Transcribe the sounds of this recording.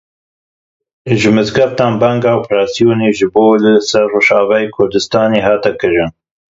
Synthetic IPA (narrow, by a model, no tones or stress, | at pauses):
ʒɨmɨzɡɐɾt̪ɑːnbɛŋɡɑːopʰɾɑːsijoːneːʒɨboːlɨsɛɾːoːʒɑːvɛjeːkʰʊɾd̪ɨst̪ɑːneːɦɑːt̪ɛkɨɾɨn